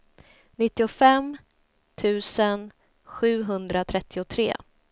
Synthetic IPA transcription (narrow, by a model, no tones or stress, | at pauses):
nɪt̪ːɪʊfɛm | t̪ʰʉ̟ːsən | ɧʉ̟ːɦɵnd̪ɾat̪ʰɾɛt̪ːɪʊt̪ʰɾḛː